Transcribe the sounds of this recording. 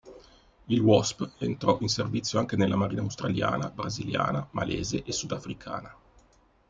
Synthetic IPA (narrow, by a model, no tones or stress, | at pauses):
ilwɔspḛnt̪ɾɔʔinservit̪sːjoaŋkenelːamaɾiːnawst̪ɾalja̰ːna̰bɾazilja̰ːnama̰lʔeːzeʔesːud̪afɾikʰa̰ːna